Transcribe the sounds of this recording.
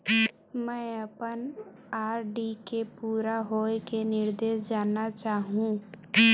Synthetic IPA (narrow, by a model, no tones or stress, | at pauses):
mɛ̃əpən | aːɾɖikepuːɾaɦoːekenɪɾd̪eːʃd͡ʒaːnat͡ʃaːɦũː